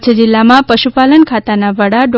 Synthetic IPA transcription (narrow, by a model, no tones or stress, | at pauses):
t͡ʃʰəd͡ʒɪlːamãpəʃupalənkʰat̪anaʋəɽaɖ